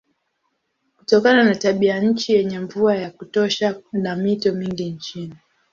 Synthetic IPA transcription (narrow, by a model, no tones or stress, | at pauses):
kutɔkananataɓiaɲ̩t͡ʃijɛɲɛɱvuajakutɔʃanamitɔmiŋɡiɲt͡ʃini